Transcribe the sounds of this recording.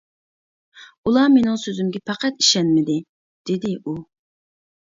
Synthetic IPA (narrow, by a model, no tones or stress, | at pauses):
ulˠɑmenɪŋsøzymɡʲɛpʰɑqʰæt̪i̥ʃɛnmɪd̪ɪ | d̪̥ɪd̪ɪʔu